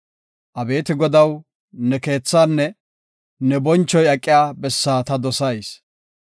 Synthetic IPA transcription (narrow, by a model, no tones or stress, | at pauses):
ʔɐbe̞ːt̪ɪɡɔd̪ɐw | nɛke̞ːt͡sːaːnːɛ | nɛbɔnt͡ʃːɔjɐkʼːɪjaːbɛsːaːt̪ɐd̪ɔsɐjs